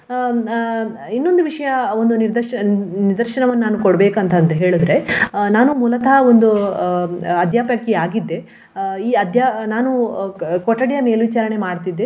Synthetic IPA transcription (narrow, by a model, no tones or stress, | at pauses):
inːo̞nd̪uʋiʂɐjɐond̪uniɾd̪ɐʃɐniɾd̪ɐɾʃɐɳɐʋɐnːnaːnukoɽbeːkɐnt̪ɐnt̪ɐɦe̞ːɭud̪ɾe̞naːnumuːlɐt̪ʰao̞nd̪u | ɐd̪ʱjaːpɐkːiaːɡid̪ːe̞ | iːɐd̪ʱjaːnaːnukoʈːɐɽijɐme̞ːlʋit͡ʃaːɾɐɳe̞maːɖt̪id̪ːe